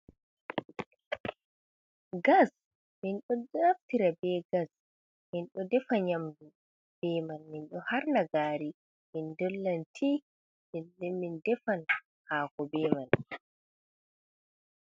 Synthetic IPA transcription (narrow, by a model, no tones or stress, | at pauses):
ɡas | minɗɔdaftiɾabɛɡas | minɗɔdɛfaɲamdu | b̥ɛmanminɗɔhaɾnaɡaːɾi | mindɔlːantʰi | midɛmindɛfan | haːkɔbɛːman